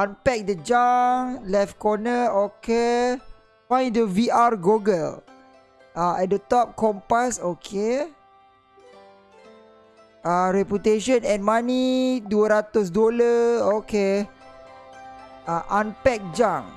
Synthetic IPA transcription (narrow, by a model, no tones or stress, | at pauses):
ãnpɛk̚dəd͡ʒãŋlɛfkɔnəokʰe | fãj̃dəviaɹɡoɡəl | ʔaɛdət̪ɔp̚kɔ̃mpasokʰe | aɹɛput̪eʃə̃nɛ̃nmaniduəɾat̪us̬dolaoke | aʔãnpɛk̚d͡ʒãŋ